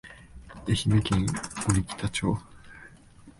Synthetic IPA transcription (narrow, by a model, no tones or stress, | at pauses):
eçimekʲẽŋɡoɾʲikʲi̥t̪at͡ɕoː